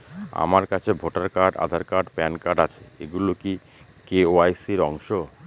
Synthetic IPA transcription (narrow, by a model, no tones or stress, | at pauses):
a̰maɾkat͡ɕʰebʱoʈaɾkaɾɖa̰d̪ʱaɾkaɾɖpɛnkaɖat͡ɕʰeḛɡuloki | keoajsiɾɔŋʃo